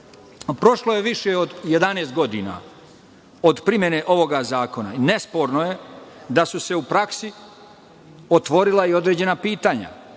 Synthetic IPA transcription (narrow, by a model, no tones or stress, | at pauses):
pɾo̞ʃlojeʋiʃeod̪je̞d̪ane̞ːst̪ɡod̪ina̰ | od̪pɾimje̞ne̞ʔo̞ʋo̞ɡazaːkona̰ine̞spo̞ɾnoje̞d̪asuse̞upɾaksi | ot̪ʋo̞ɾilˠaio̞d̪ɾe̞ːd͡ʑe̞napiːt̪aɲa̰